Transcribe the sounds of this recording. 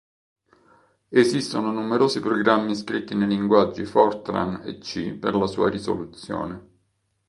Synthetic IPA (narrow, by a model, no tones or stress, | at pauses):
ezist̪ononumeɾoːzipɾɔɡɾamːiskɾit̪ːinejliŋɡwad͡ʒːifɔrt̪ɾa̰nḛt͡ʃːḭperlasṵːaɾiso̰lut̪sjo̰ːne